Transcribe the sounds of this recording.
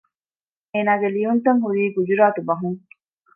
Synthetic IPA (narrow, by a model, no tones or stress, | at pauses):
eːnaːɡelijunt̪ɐŋɦuɾiːɡud͡ʒuɾaːt̪ubɐɦuŋ